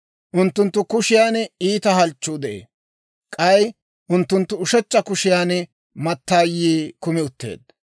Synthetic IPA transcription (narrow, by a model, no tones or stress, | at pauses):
ʔʊnt̪ːʊnt̪ːʊkʊʃɪjaːniːt̪ɐɦɐlt͡ʃːud̪ɛʔḛː | kʼɐj | ʔʊnt̪ːʊnt̪ːʊʊʃɛt͡ʃːɐkʊʃɪjaːn | mɐt̪ːaːjːiːkʊmɪʊt̪ːe̞̰ːd̪̚